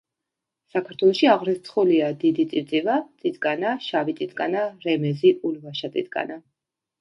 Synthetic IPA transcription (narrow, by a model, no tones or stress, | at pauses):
sakʰaɾt̪ʰwɛlˠɔʃiaʁɾɛst̪sʰχuliad̪id̪it̪sʼit̪sʼivat̪sʼit̪ʼkʼanaʃavit̪sʼit̪ʼkʼanaɾɛmɛziʔulvaʃat̪ʼḭt̪ʼkʼa̰na